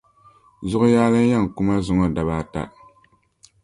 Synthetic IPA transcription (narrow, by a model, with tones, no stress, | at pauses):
zʊ˦ʔʊ˦jaː˦lɨ˦n˦ja˦ŋ˨ku˦ma˦zʊ˨˦ŋɔ˦da˨βaː˦˨ta̰˨